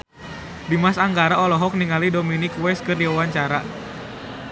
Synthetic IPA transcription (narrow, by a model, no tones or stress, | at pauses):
dimasaŋɡaɾaɔlɔɦɔk̚niŋalidominikwɛs̚kɨrdiwawaɲt͡ʃaɾa